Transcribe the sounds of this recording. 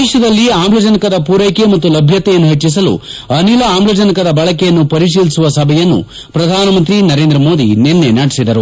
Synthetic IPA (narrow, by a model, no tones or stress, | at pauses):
ɛːʃɐd̪ɐlːiaːmblɐd͡ʒɐnikɐd̪ɐpuːɾɐjkemɐt̪ːulɐbʱjɐt̪ːɛjɐnːuɦet͡ʃːis̬ɐlṵɐnilɐaːmblɐd͡ʒɐnikɐd̪ɐbɐɭɐkɛjɐnːupɐɾiʂ̬iːlisuʋɐsɐbʱɛjɐnːṵ | pɾɐd̪ʱaːnɐmɐnt̪ɾinɐɾe̞ːnd̪ɾɐmo̞ːd̪ḭnenːenaːɽisid̪ɐɾu